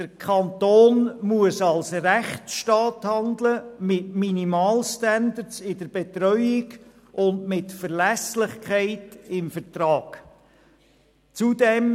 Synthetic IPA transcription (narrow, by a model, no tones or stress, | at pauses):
d̥əɾkʰɑnt̪oːnmuəsɑlsɾæχʃtɑːthɑnd̪ləmɪtminimɑːlʃtænd̪əsɪdəɾb̥ɛt̪ɾœʏɪɡ | ʔʊndmɪtfəɾlæslɪχkʰæɪtɪmfəɾtɾɑːɡ̥ | t͡sudɛm